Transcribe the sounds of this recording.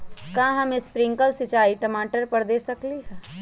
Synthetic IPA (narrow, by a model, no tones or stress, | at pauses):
kãːɦəmẽspɾɪ̃ŋkəlsɪt͡ʃaːiʈəmaːʈəɾpəɾd̪eːsəkliɦɛ̃